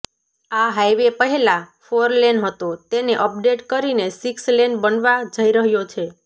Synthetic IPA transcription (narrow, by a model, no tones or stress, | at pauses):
aɦajʋepəɦelafoɾlenɦət̪ot̪eneʔəp̚ɖeʈkəɾinesikslenbənʋad͡ʒəiɾəɦjot͡ʃʰe